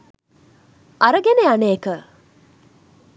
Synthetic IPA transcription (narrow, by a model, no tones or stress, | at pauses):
ʔɐɾəɡeneaneːkə